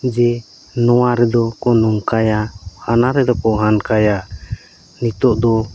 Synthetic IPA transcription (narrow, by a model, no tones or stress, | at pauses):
d͡ʒɛ | nɔwaɾɛd̪ɔkɔnɔŋkajahanaɾɛd̪ɔkɔʔɦankaja | nit̪ɔʔd̪ɔ